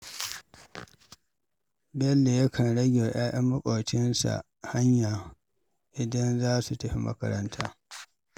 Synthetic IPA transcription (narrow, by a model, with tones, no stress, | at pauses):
bɛ˦lːe˨jɐ˦kʰɐ˨nɽɐ˦ɡʲe˨j̰aː˦ʔɐ˦mːʊ˦kʼo˨t͡ʃɪ˦nsa̰˨ʔ | ha˦ɲjaː˨ | ʔɪ˨dɐ˦nzaː˦su˨tɐ˦ɸi˨mɐ̰˦kɐ̰˦ɾɐ˦ntʰaː˦